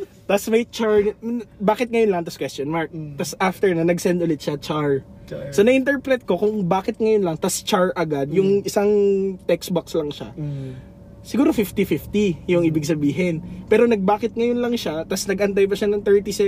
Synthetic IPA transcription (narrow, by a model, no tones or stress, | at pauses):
t̪ɐsmɐjt͡ʃaɹbaːkɪt̪̚ŋɐjonlɐŋt̪ɐskwɛstonmaɹk̚t̪ɐsʔaft̪ɛɹnɐnɐɡsɛnd̪ʔʊlɪt̪ʃɐt͡ʃaɹsɐnɐʔɪnt̪ɛɹpɾɛt̪̚ko̞kʊŋbaːkɪt̪̚ŋɐjonlɐŋt̪ɐst͡ʃaɹʔɐɡad̪jʊŋʔɪsaŋt̪ɛksbokslɐŋʃa̰ | sɪɡuːɾofift̪ifift̪ijʊŋʔiːbɪɡsɐbiːɦɪnpɛːɾo̞nɐɡ̚baːkɪt̪̚ŋɐjonlɐŋʃat̪ɐsnɐɡʔɐnt̪̬ajbɐʃanɐŋt̪ɛɹt̪isɛ